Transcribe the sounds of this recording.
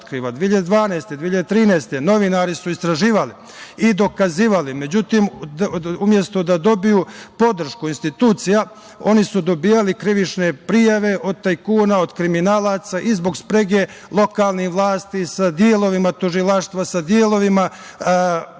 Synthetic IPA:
t̪kɾiːʋad̪ʋiːiʎad̪ed̪ʋaːnajst̪e̞d̪iːiʎad̪et̪ɾiːnajst̪e̞no̞ʋinaːɾisuist̪ɾaʒiːʋali | id̪o̞kaziːʋalime̞d͡ʑut̪im | umje̞st̪o̞d̪ad̪o̞bijupo̞d̪r̩ʃkuinst̪it̪uːt̪sija | o̞nisud̪o̞biːjalikɾiʋit͡ʃne̞pɾijaʋe̞ʔo̞d̪̚t̪ajkuːnaod̪kɾiminaːlˠaːt̪saʔizboɡspɾe̞ɡe | lˠo̞kaːlˠnihʋlˠaːst̪isad̪jeːlˠo̞ʋimat̪uʒilˠaʃt̪ʋasad̪jeːlˠo̞ʋima

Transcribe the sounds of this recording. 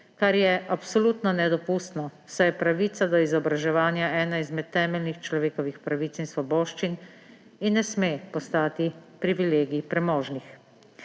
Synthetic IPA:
kaɾjɛʔapsɔluːt̪nɔnɛd̪ɔpuːst̪nɔsɛjɛpɾaʋiːt̪sad̪ɔizɔbɾaʒɛʋaːnjaʔɛːnaizmɛt̪ːɛːmɛlnixt͡ʃlɔʋeːkɔʋixpɾaʋiːt̪sinsʋɔbɔːʃt͡ʃin | inːɛsmeːpɔst̪aːt̪ipɾiʋileːɡipɾɛmɔːʒnix

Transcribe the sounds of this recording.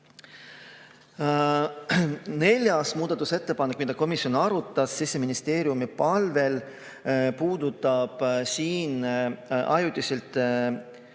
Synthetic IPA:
ne̞lʲjɑsmuːd̪̥ɑt̪ːˑuse̞t̪ːe̞pɑnːekːˑmid̪ɑko̞misio̞nɑɾut̪ːˑɑsːisːe̞minist̪e̞ːɾiumipɑlve̞l | puːd̪̥ut̪ːˑɑb̥siːnʔɑjut̪ːˑiselt̪ˑ

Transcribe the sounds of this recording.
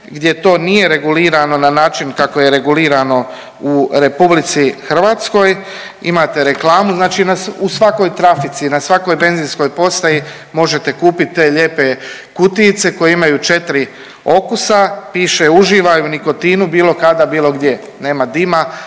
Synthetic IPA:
ɡd̪je̞t̪o̞ːnije̞ɾe̞ɡuliːɾano̞nanaːt͡ʃinkako̞je̞ɾe̞ɡuliːɾano̞ | uɾe̞publit̪sixr̩ʋaːt̪sko̞j | ḭmaːt̪e̞ɾe̞klˠaːmuznaːt͡ʃiːnausʋako̞jt̪ɾafit̪sinasʋako̞jbe̞nziːnsko̞jpo̞st̪aji | mo̞ʒe̞t̪e̞kuːpit̪̚ːe̞ːʎe̞ːpe̞ | kut̪it̪se̞ko̞jeimajut͡ʃe̞t̪ɾi | o̞kusapiːʃeuʒiːʋauniko̞t̪iːnubiːlˠo̞kad̪abiːlˠo̞ɡd̪je̞ | ne̞ːmad̪ima

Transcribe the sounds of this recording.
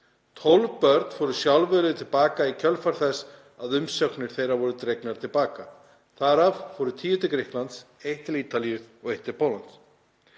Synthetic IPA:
t̪ʰowlvpœɾt̪n̥fɔɾʏsjawlvɛlʏðʏt̪ʰɪlpaːkaicʰœlfaɾ̥θɛs | aðʏmsœknɪɾ̥θejɾavɔɾʏt̪ɾejknaɾ̥t̪ʰɪlpaːka | θaɾavfɔɾʏt̪ʰiːjʏt̪ɪkɾɪhklant̪sejht̪ɪliːt̪alijʏðɔɣejht̪ɪɾ̥pʰowlant̪s

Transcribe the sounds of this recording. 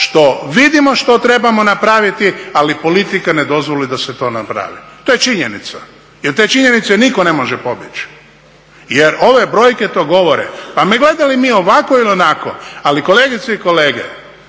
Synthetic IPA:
ʃt̪o̞ʋid̪imoʃt̪ot̪ɾe̞bamo̞napɾaʋit̪ialipo̞lit̪ikaned̪o̞zʋo̞lid̪aset̪o̞ːnapɾa̰ʋḭt̪o̞jet͡ʃiɲenit̪sa | jeɾt̪et͡ʃiɲenit̪senikone̞mo̞ʒepo̞bjet͡ʃ | jeɾo̞ʋe̞bɾo̞ːjket̪o̞ːɡo̞ʋo̞ɾḛpameɡle̞d̪alimiːo̞ʋakoilionako̰aliko̞leːɡit̪seiko̞le̞ːɡḛ

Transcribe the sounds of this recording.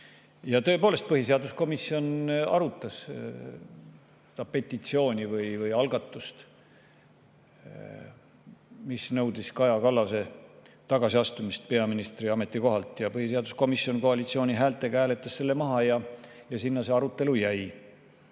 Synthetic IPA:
jɑt̪ɤ̞e̞po̞ːle̞st̪̚pɤɦis̬e̞ɑd̪usko̞misːio̞nɑ̰ɾut̪ːˑɑs | sed̪̥ɑpe̞t̪ʲːˑit̪sio̞ːnʲivɯjvɯjɑlɡɑt̪ːˑust̪ | misnɤwd̪̥iskɑjɑkɑlːɑse̞ | t̪ɑɡ̥ɑsiɑst̪umist̪̚pe̞ɑminist̪riɑme̞t̪ːˑiko̞ɦɑlt̪ˑjɑpɤhiseɑd̪̥usko̞miso̞nko̞ɑlit̪sio̞ːnʲiɦæːlt̪ːˑe̞kæːle̞t̪ˑːɑsse̞lːe̞mɑɦɑjɑ | jɑsinːɑseɑɾut̪ˑːe̞lujæj

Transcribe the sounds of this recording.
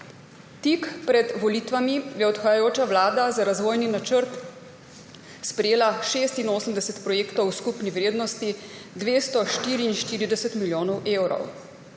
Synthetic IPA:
t̪ikpɾɛd̪ʋɔliːt̪ʋamijɛɔt̪xajajoːt͡ʃaʋlaːd̪azaɾazʋoːjninat͡ʃəɾt̪ | spɾɛjeːlaʃeːst̪inoːsəmd̪ɛsɛt̪pɾɔjeːkt̪ɔwskupniʋɾeːd̪nɔst̪i | d̪ʋeːst̪ɔʃt̪iːɾiːnʃt̪iːɾid̪ɛsɛt̪miljoːnɔwʔeːwɾɔ̰w

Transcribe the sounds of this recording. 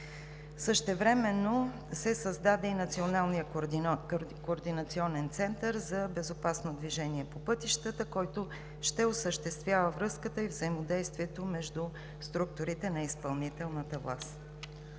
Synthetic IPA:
səʃt̪ɛvɾɛmɛnːo | sɛsɐzd̪ad̪ɛinɐt̪sionalˠnijə | koːɾd̪inət̪siɔnɛnt̪sɛnt̪əɾzɐbɛzopasnod̪viʒɛniɛpopɤt̪iʃt̪ət̪əkɔjt̪o | ʃt̪ɛosəʃt̪ɛst̪vʲjavəvɾɤskət̪əivzəimod̪ɛjst̪viɛt̪omɛʒd̪u | st̪ɾuk̚t̪ʊɾit̪ɛnɐispɐlˠnit̪ɛlˠnət̪əvlˠa̰st̪

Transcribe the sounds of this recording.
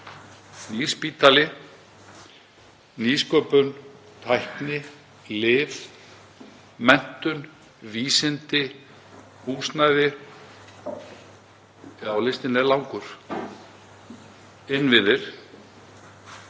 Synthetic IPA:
niːspiːt̪alɪ | niːskœːpʏn | t̪ʰajhknɪ | lɪːf | mɛn̥t̪ʏn | viːsɪnt̪ɪ | huːsnajðɪ | ɛɣawlɪst̪ɪnɛlawŋkʏɾ̥ | ɪnːvɪðɪɾ̥

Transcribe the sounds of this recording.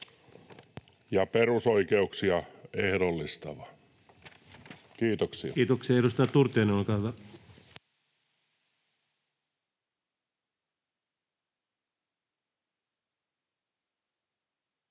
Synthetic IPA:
jɑpeɾusoikeuksiɑehdolːist̪ɑʋɑ | kiːt̪oksḭɑ̰kiːt̪oksiɑeɾust̪ɑtt̪ːurt̪ˑeːnoːlkɑhʋæ

